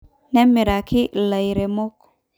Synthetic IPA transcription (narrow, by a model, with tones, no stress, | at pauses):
nɛ˦mːi˨ɾa˨ki˦la˨jɾɛ˨mɔ˦k